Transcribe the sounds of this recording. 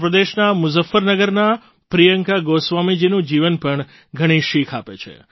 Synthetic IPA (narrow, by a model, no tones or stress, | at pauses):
pɾəd̪eʃnamʊzəfːəɾnəɡəɾna | pɾijəŋkaɡosʋamid͡ʒinũd͡ʒiʋənpəɳ | ɡʱəɽ̃iʃikʰapet͡ʃʰḛ